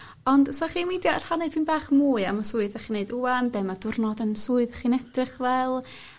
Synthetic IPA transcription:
ɔndsɔχiːnmidjɔar̥hanɛvinbaːχmuːɨamasuːɨðaχiːnejduambɛːmadʊrnɔdənsuːɨðaχiːnɛdrɪχvɛlˠ

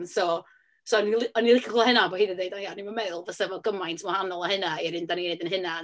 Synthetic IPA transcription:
sɔ | sɔnilˠɪɔnilˠɪkʰlˠahɪnabɔhiːðədejdanjanimənmɛðʊlˠvəsəvɔɡəmajntʰmɔhanɔlˠəhɨnaiɾɪndaninejdənhɦɪna

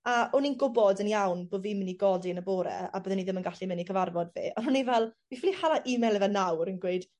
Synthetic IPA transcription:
aɔninɡʊbɔdənjawnboːdvimɪniɡɔdiənəboːɾɛ̰a̰bəːðɛniðɪmənɡaɬimɪnikʰəvarvɔdvḭːʔɔnhʊnivɛlˠwifɪlihalˠaʔɪmɛlˠɛvɛnawɾənɡweɨd̥

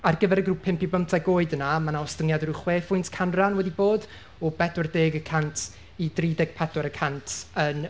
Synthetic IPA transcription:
arɡəvɛɾəɡruːpʰːɪmpibəmtʰaɡoːɨdənamanaɔstəŋjadɛɾuχweːfʊjntʰkʰanranwɛdiboːd | ɔbɛdɔrdeːɡəkʰantʰ | idriːdɛɡ̥̚pʰɛdɔɾəkʰantʰən

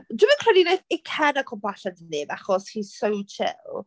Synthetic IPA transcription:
dwɪːmənkʰrɛdinaθikʰɛnakʰɔbaɬadənːeːvaχɔshisowt͡ʃʰɪ̰lˠ

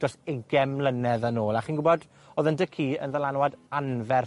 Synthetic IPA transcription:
d̥ɔsɪɡɛmlˠənɛðənoːlˠaχiːnɡʊbɔd | oːðəndəkʰiːə̰nðəlˠanwadanvɛr

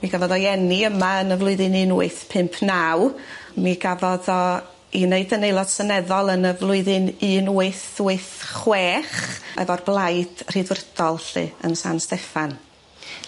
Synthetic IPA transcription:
miɡavɔðɔjɛniəmaənəvlˠʊɨðɨnɨːnuɨθpʰɪmpʰnawmiɡavɔðɔ | ineɨdənejlˠɔd̥sənɛðɔlˠənəvlˠʊɨðɨnɨːnwɨθwɨθχwɛːχɛ̰vɔrblˠajd̥r̥idwrd̥ɔlˠɬɨ̰ə̰nsa̰nstɛfan

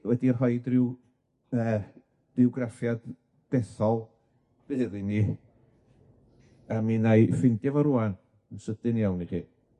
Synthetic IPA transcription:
wɛdirɦɔɨdrɪw | əː | d̥ɪɔɡrafjad̥ː | ɛθɔlˠ | b̥ɨðɨni | aminajfɪndavɔɾuan | ənsəd̥ɨnjawniχḭː

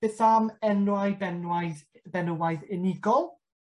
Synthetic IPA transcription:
eθamɛnwajbɛnwajð | bɛnəwaɨðɪnɪɡɔlˠ

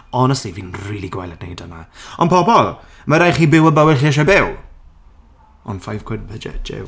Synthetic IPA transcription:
ɔnɛstiviːnriːlˠiɡwajlˠədnejdənaɔnpʰɔbɔlˠ | məɾajχiːbɪwəbəwɪlχiːɛʃ̬abɪw | ɔ̰nfajv̥kʰwɪd̚bəd͡ʒɛ̰d͡ʒɪ̰w

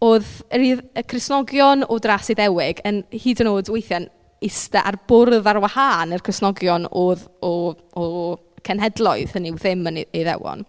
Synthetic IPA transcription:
oːðəɾiðəkʰrɪsnɔɡjɔnɔdrasiðɛwɪɡənhiːdənoːdwejθjan | ɪstaʔarb̥ʊrðarwahaːnirkʰrɪsnɔɡjɔnoːðɔ | ɔ | kʰɛnɦɛdlˠɔɨðənɪwðɪmən̰eðɛ̰wɔ̰n

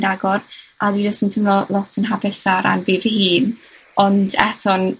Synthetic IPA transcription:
naɡɔradwidɔstəntʰəmlɔlˠɔtʰənɦabɛsaɾa̰nviːvəhiːn | ɔndɛθɔn

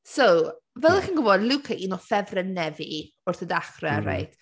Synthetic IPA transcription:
sowvɛlˠəxinɡʊvɔdlˠukʰəʔinɔfɛvrɛnɛvi | ʊrθədaχrɛɾa̰jd̥

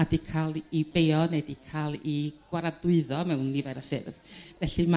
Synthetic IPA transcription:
adikʰalˠibeɔnɛdikʰalˠiɡ̥waɾadʊɨðɔmɛwnːivɛɾafɪ̰rðvɛɬima

